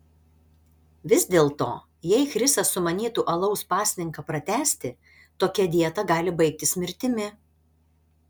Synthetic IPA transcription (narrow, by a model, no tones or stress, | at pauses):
ʋʲɪzʲd̪ʲeːlˠt̪o̰ː | jɛɪxɾʲɪsɐsʊmɐnʲiːt̪uːʔɐlˠɒʊspɑːsʲnʲɪŋkɐpɾɐt̪ʲæːsʲt̪ʲɪ | t̪oːkʲɛd̪ʲiɛt̪ɐɡɑːlʲɪbɐɪk̚t̪ʲɪsʲmʲɪɾʲt̪ʲɪmʲɪ